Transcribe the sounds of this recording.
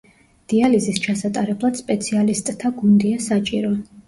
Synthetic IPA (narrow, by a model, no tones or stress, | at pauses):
d̪̥ializist͡ʃʰasat̪ʼaɾɛblˠad̪̥spʼɛt̪sʰialist̪ʼt̪ʰːaɡund̪iasat͡ʃʼiɾɔ